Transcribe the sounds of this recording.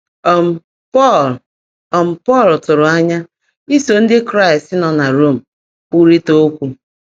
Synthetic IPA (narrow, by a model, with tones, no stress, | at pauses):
ɔ˨m̩˨ | pɔ˦˨l | ɔ˨m̩˨pɔ˦˨ltʊ˨ɾʊ˨a˦ɲa˦ | i˦so˨n̩˦dɪ˦kɾa˦ɪ˨stɪ˦nɔ˨na˨ɾo˦˨m̩˨ | ku˦ɾi˦to˦kʷu˦